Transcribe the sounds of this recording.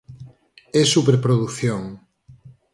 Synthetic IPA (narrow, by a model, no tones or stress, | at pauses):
ɛsupeɾpɾoðuθjoŋ